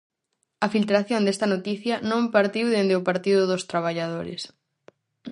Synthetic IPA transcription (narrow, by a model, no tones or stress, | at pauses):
ɐfilt̪ɾaθjõnd̪est̪ɐnot̪iθjɐnõmpaɾt̪iwðend̪eopaɾt̪iðʊðost̪ɾaβ̞aʎaðoɾɪ̰s